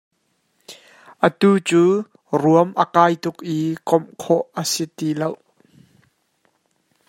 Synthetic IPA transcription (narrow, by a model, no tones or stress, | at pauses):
ʔət̪uːt͡suː | ruəmʔəkaːjt̪ʊkʔiːkɔmkʰɔʔəsit̪iːlow